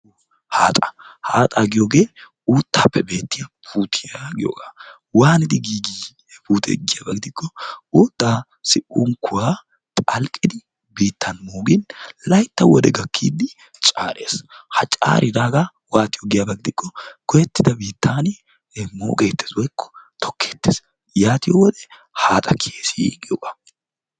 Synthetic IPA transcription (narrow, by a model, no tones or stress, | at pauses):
haːt̪ʼɐ̥haːt̪ʼaɡɪjoːɡeː | uːt̪ːaːpːɛbe̞ːt̪ːɪjɐpʰuːt̪ʰɪjaɡɪjo̰ːɡaː | waːnɪd̪ɪɡiːɡi | puːt̪ʰɛ̰ɡɪjaːbɐɡɪd̪ɪkːɔuːt̪ːaː | sɪʔuŋkʰʊwaː | t̪ʼɐlkʼɪd̪ɪ | biːt̪ʰːɐnmoːɡɪnlɐjt̪ːɐwɔd̪ɛɡɐkʰːiːd̪ɪ | t͡ʃʼaːɾḛːshɐt͡ʃʼa̰ːɾʔɪd̪aːɡa | waːt̪ɪjɔɡɪjabɐɡɪd̪ɪkʰːɔkʰɔjɛt̪ːɪd̪ɐbiːt̪ːaːnɪ | mo̰ːkʼeːt̪ːeswɔjkʰːɔ̥t̪ʰɔ̥kʰːe̞ːt̪ːes | jaːt̪ɪjɔwɔd̪ɛ | haːt̪ʼɐkʰeːsɪ̰ɡɪjoɡḁ